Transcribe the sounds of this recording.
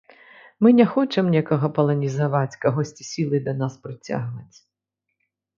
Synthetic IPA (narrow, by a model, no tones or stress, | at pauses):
mɨnʲɛxɔt͡ʂɛmnʲɛkɐɣɐpɐlˠɐnʲizaʋat͡sʲkɐɦɔsʲt͡sʲisʲilˠɨd̪ɐnaspɾɪt͡sʲa̰ɣvɐt͡sʲ